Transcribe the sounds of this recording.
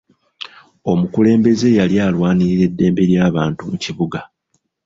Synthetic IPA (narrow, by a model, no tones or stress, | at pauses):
o̞mukule̞ːmbe̞ze̞jaljaːlwaːniɾiɾe̞dːe̞ːmbe̞ɾjaːβaːntumuciβuɡa